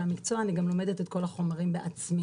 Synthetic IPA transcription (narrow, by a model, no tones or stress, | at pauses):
amikt͡so̞aːniɡamlo̞medetet̚ko̞laχo̞maʁimbeʔat͡smi